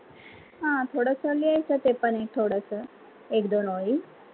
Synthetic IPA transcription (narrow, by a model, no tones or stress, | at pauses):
ɦãːt̪ʰoːɽəsəliaisət̪epəneːk̚t̪ʰoːɽəsə | eːkd̪onoːi